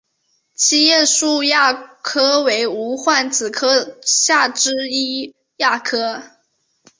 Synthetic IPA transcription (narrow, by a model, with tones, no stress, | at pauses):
t͡ɕʰi˥˧jɛ˥˧ʂu˥˧ja˥˩kʰɤ˥we˧˥ɪu˧˥xwa˥˩nt͡sɹ̩˨˩kʰɤ˥ɕja˥˩ʈ͡ʂɻ̩˥i˥ | ja˥˩kʰɤ˥